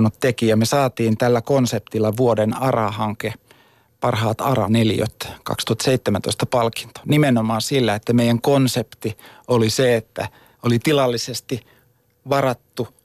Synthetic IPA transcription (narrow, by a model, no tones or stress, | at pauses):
nut̪t̪ekijɑmesɑːt̪iːnt̪ælːækonsep̚t̪ilːɑʋuodenɑrɑhɑŋke | pɑrhɑːt̪ɑ̰rɑ̰neljø̰t̪kɑ̰kst̪uhɑt̪seit̪ːemænt̪oist̪ɑpɑlki̥nt̪o̥nimenomɑːsilːæet̪ːæmeijæŋkonsept̪ioliseet̪ːæ̰ | olit̪ilɑlːisest̪i | ʋɑrɑt̪ːu